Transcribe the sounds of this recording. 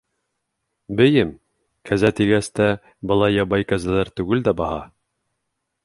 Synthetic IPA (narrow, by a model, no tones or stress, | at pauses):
bɘ̆jɘm | kʰæzæt̪iɡæst̪æ | bɤ̆lˠɑjːɑβɑjkæzælæɾt̪ʉɡɘld̪æbɑhɑ̰